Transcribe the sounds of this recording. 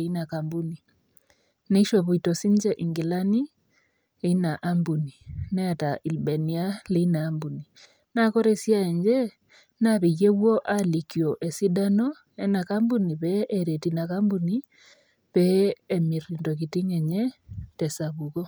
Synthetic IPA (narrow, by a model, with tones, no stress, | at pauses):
i˦na˨ka˨mbu˦ni˨ | ne˦i˦ʃo˨βu˨i˨to˨si˦ɲd͡ʒɛ˦ʔiŋɡi˨la˦ni˦ | e˦i˦na˨ʔa˦mbu˨ni˨nɛ˦a˨ta˨ʔi˨lbe˨ni˦a˦le˦i˦naː˨˦mbu˨ni | na˦ko˦ɾe˨sja˦e˨ɲd͡ʒɛ˦ | naβe˨ɣe˦wɔ˦ʔali˨kjo˨ʔe˨si˦da˦no˦ | e˦na˨ka˦mbu˦ni˨βɛʔeɾe˨tina˨kambuni˦ | βɛːmi˨rindo˨kiti˦ŋɛ˨ɲɛ˦tɛ˨sa˨βu˨ko˦